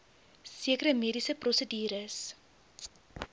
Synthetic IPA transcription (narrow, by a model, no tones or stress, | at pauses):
siəkəɾəmiədisəprɔsədiːɾəs